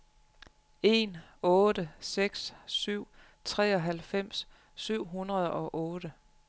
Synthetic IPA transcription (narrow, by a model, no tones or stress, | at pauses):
e̝nɔ̽ːd̥əseɡ̥sːyʊ̰ | t͡sʰʁɛːɒ̽ɦælfem̰sː | yʊ̰ɦunʁɐð̞ˠɒ̽ʔɔːɾ̥ə